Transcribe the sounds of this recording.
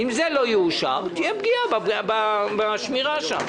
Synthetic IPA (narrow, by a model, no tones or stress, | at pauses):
imzelo̞juːʃa̰ʁt̪ijebɡiababbabaʃmiʁaʃa̰m